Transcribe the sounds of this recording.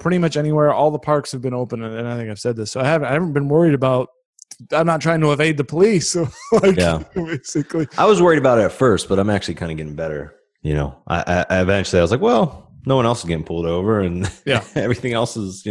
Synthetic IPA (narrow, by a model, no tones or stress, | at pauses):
pʰɹ̥ɪɾimʌt͡ʃɛñiwɛɹʔɔlˠðəpʰɑɹkshɨvbɨ̃noʊpə̃nɨ̃naɪθɪ̃ŋkaɪv̥sɛd̪̚ðɪsːoʊaɪhævnaɪhvə̃n̩b̥ɨ̃nwɜ˞iɾɨbaʊt̚ | ãɪ̃mnətʰɹ̥aɪɪ̃ŋtʰəəveɪd̪̚ðɨpʰəlislaɪjæbeɪsɨkliʔaɪwʌzwɜ˞iɾɨbaʊɾɨtfɜ˞st̚b̥ʌɾãɪ̃mæk̚t͡ʃʉl̩ˠikʰãɪ̃nɨɡɛɾɪ̃ŋbɛɾə̰˞ | jɨ̰ño̰ʊʔa̰ɪʔaɪʔaɪɨvɛ̃nt͡ʃl̩ˠiaɪʌzlaɪkwɛlˠnoʊʌ̃ñɛlˠszɡɛɾɪ̃ŋpʰʊlˠdoʊvə˞ɨ̃njjæɛvɹiθɪ̃ŋɛlˠsɪz̥